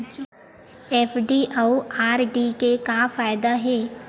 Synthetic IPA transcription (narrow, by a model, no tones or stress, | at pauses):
ɛːfɖiʔawaːɾɖikekafaːjɪd̪aɦɛː